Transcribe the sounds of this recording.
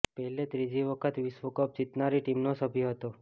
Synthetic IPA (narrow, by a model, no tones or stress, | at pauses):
pəɦlet̪ɾid͡ʒiʋəkʰət̪ʋisʋəkəp̚d͡ʒit̪naɾiʈimnosəbʱjoɦət̪o